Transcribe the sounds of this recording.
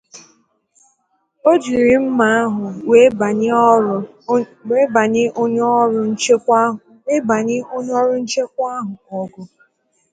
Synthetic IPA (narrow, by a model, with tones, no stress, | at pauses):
o˦d͡ʒi˨ɾi˨m̩˦ma˨˦a˦ɦʊ˨we˨˦˨ | we˦ba˨ɲɪ˦ʔo˦ɲɔ˦ɾʊ˨n̩˦t͡ʃe˦kʷ | e˦ba˨ɲɪ˦o˦ɲ˦ɔ˦ɾʊ˦n̩˦t͡ʃe˦k̚ʷa˦ɦʊ˨ɔ˨ɡʊ˦